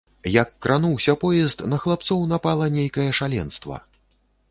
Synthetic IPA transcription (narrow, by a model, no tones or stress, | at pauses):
jɐkːɾʔanuwsʲɐpɔjɛst̪nɐxlˠap̚t̪sɔwnapalˠɐnʲejkɐjɐʂalʲɛ̰nst̪vɐ̰